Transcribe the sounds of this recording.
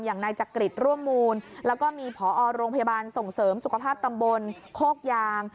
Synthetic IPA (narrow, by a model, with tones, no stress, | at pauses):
mjaː˨˩ŋna˧jt͡ɕa˨˩kɾi˨˩t̪̚ɾu˥˩əmːuː˧nlɛː˦˥wkɔː˥˩miː˧pʰɔː˩˦ʔɔː˧ɾoː˧ŋpʰjaː˧baː˧nso˨˩ŋsɤː˩˦msu˨˩kʰa˧pʰaː˥˩p̚t̪a˧mbo˧n | kʰoː˥˩k̚jaː˧ŋ